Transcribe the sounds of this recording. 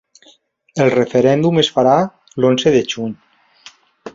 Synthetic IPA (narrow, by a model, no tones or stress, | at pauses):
elˠrefeɾɛnd̪umesfaɾa | lonzeðeʒuɲ